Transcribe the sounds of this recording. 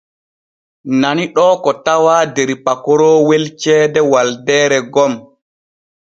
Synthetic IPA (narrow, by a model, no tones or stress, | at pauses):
naniɗɔːkɔtawaːdɛɾipakɔɾɔːwelt͡ʃɛːdɛwaldɛːɾɛɡɔm